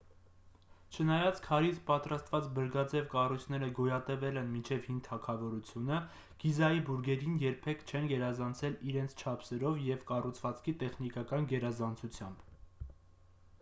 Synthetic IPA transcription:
t͡ʃʰənɑjɑt͡skʰɑɾit͡spɑt̪ɾɑst̪vɑt͡sbəɾɡɑd͡zɛvkɑrujt͡sʰn̪ɛɾəɡɔjɑt̪ɛvɛlɛnmint͡ʃʰɛvhint̪ʰɑkʰɑvɔɾut͡sʰjunə | ɡ̥izɑjibuɾɡɛɾinjɛɾpʰɛkʰt͡ʃʰɛnɡɛɾɑzɑnt͡sʰɛliɾɛnt͡sʰt͡ʃʰɑpʰsɛɾɔvjɛvkɑrut͡sʰvɑt͡skʰit̪ɛχnikɑkɑnɡɛɾɑzɑnt͡sʰut͡sʰjɑmb

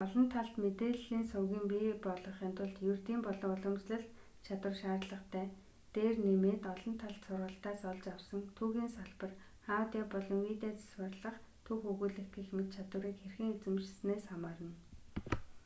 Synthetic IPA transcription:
ɔɮɞ̆nt̪ʰaɮt̪met̪eːɮiːnsʊwɣʲiːmpipɔɮɞ̆χant̪ʊ̆ɮt̪jurt̪iːmpɔɮɞ̆ŋʊɮɞ̆msɮɘ̆ɮ | t͡ɕʰat̪wə̆rʃaːrɮə̆χt̪ʰæː | t̪eːrnemeːt̪ɔɮɞ̆nt̪ʰaɮt̪sʊrʁə̆ɬt̪aːsɔɮt͡ɕawsə̆ŋt̪ʰuːɣiːnsaɮpə̆r | χaːwt̪ʲiːpɔɮɞ̆ŋwiːt̪eːt͡sḁswə̆rɮə̆χ | t̪ʰuːxuɣuːɮɘ̆kt̪ĭːxmɘ̆t̪t͡ɕʰat̪wə̆ɾiːkxerxɘ̆ŋet͡sɘ̆mʃsneːsχamaːɾə̆n

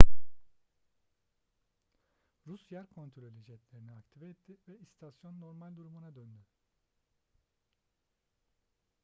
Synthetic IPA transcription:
ɾusjæɾkʰo̞nt̪ʰɾolʲølʲid͡ʒɛt̪lʲeɾiniakt̪ʰivɛɛt̪ʰːɪvɛist̪ʰasjo̞nːo̞ɾmalʲd̪uɾumunad̪ø̞nd̪y

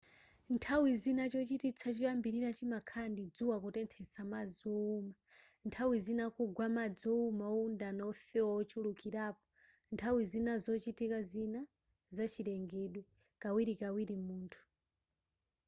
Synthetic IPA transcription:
ntʰawizinat͡ʃɔt͡ʃitit͡sʰat͡ʃipambiɾiɾat͡ʃimakʰandid͡zuwakɔtɛntʰɛt͡samad͡zɔuma | ntʰawizinakuɡwamad͡zɔumaɔundanaɔfɛwaɔt͡ʃʰulukiɾaːpɔ̥ | ntʰawizinazɔt͡ʃitikazina | zat͡ʃʰiɾɛŋɡɛɗwɛ | kawiɾikawiɾimuːntʰu̥

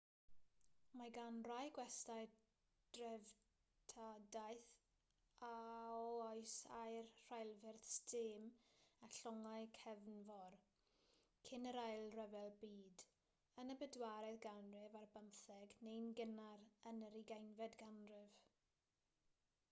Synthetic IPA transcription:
maɡanrajɡwɛstaj | d̥rɛv | tʰadajθ | aɔɔjsajrr̥ajlˠvɪrθstʰɪːmaɬɔŋajkʰɛvnvɔr | kʰɪnəɾajlˠrɛvɛlˠbiːd | ənəbədwaɾɛðɡanrɪvarbənθɛɡnejnɡənaɾənəɾiɡajnvɛdɡanrɪv

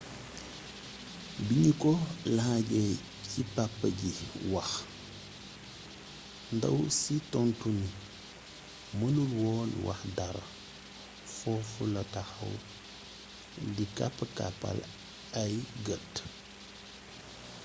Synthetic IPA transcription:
biɲikɔlɐhaɟɛ | citapːəɟiwɐx | ndɐ̰wsitɔntuni | mənulwɔːlwʔa̰xdaɾɐ̰ | fɔfulɐtaxɐ̰w | dikapːka̰pːa̰l | ajɡət

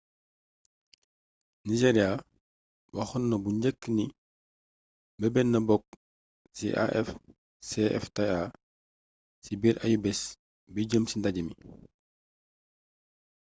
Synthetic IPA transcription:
niʒeɾia | bɐxunːɐbuɲɟəkːni | bɐbɛnːɐbɔk̚ | sḭʔa̰ʔɛ̰f | seʔɛ̰ftea | sibiɾʔɐjubɛs | biɟəmsindaɟɐmi

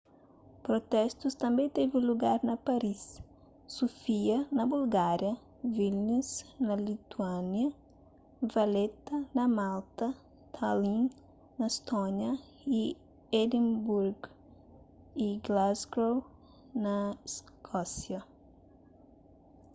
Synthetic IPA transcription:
pɾot̪ɛst̪ust̪ɐ̃mbẽj̃t̪eviluɡaɾnɐpaɾisː | ofiɐnɐbulɡaɾjɐ | vilnisnɐlit̪uanjɐ | vɐlet̪ɐnɐmalt̪ɐ | t̪ʰalĩn | nɐest̪oɲjɐ | i | ed̪ẽmbuɾɡ | iɡlazɡɾow | nɐskʰɔsjɐ

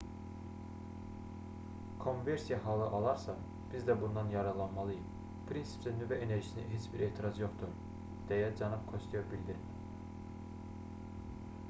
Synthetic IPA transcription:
kʰo̞nveɾsijɑɦɑːlˠɯʔɑlˠɑɾsɑ | b̥izd̪æbund̪ɑnjɑɾɑlˠɑnmɑlˠɯjɯm | pʰɾinsi̥psɛnyvɛʔeneɾʒisinḭɦet͡ʃbiɾeːt̪ʰiɾɑzjo̞χt̪uɾ | d̪̥ɛjɛd͡ʒɑnɯpkʰost̪ʰijɑbilʲd̪iɾ

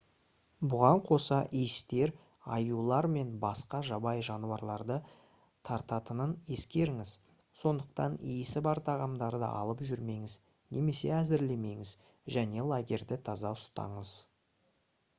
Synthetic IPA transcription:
bʊʁɑɴqʰo̞sɑʔijst̪e̞ɾ | ɑjulˠɑɾme̞nbɑsqɑʒɑbɑjʒɑnuɑɾlˠɑɾd̪ə | t̪ʰɑɾt̪ɑt̪ənəne̞skʲe̞ɾɪŋɪz̥ | so̞nd̪əq̚t̪ɑ̰nijɪsɪbɑɾt̪ʰɑʁɑmd̪ɑɾd̪ə̰ʔɑ̰lˠəpʒʏɾme̞ŋɪz | nʔe̞me̞se̞æzɪɾle̞me̞ŋɪz | ʒæne̞lˠaɡʲe̞ɾd̪ɪt̪ʰɑzɑʊst̪ɑ̰ɴəz̥

